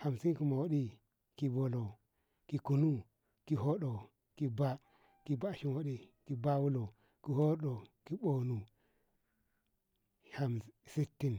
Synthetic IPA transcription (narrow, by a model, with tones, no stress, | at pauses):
ha˨msi˦ki˨ma˨wo˦ɗi˦ | ki˨bo˨lo˨ | ki˨ku˨nu˦ | ki˨ɦo˦ɗo˨ | ki˨ba˦ | ki˨ba˦˨ʃi˦nwo˦ɗi˦ki˨ba˦wu˦lo˨ | ki˨ho˦ɗo˨ki˦bo˨nu˨ | ha˨msi˦tːi˦n